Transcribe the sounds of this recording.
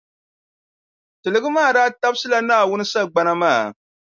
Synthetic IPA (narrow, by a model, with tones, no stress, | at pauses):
tɨ˨lɨ˨ɡɨ˦maː˦˨daː˦ta˦bsɨ˦la˦naː˦˨wʊ˦nɨ˦sa˦lɡ͡ba˦na˦maː˦˨